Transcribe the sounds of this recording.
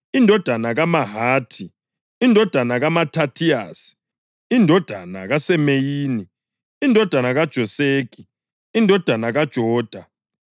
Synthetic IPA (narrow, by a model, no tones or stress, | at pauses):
indʱɔd̥ʱanaɣamaɦaːtʰi | indʱɔd̥ʱanaɣamatʰatʰia̰ːsi̥ | indʱɔd̥ʱana̰ɣasɛmejiːni | indʱɔd̥ʱanaɣad̥ʒ̥ʱɔseːk̬ʼi | indʱɔd̥ʱanaɣad̥ʒ̥ʱɔːd̥ʱa